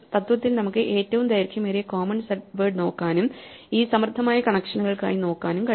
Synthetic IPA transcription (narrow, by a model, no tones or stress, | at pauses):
t̪ɐt̪ʋɐt̪ːilnɐmukːɨʔe̞ːtːɐʋumd̪ɐjɐɾkʲːjɐmeːɾekoːmɐnsɐʈʋɐːɖno̞ːkːaːnum | iːsɐmrd̪ʱːɐmaːjɐkɐɳɐkʂɐɳɐɣɐɭka̰ːɻino̞ːkːaːnumkɐ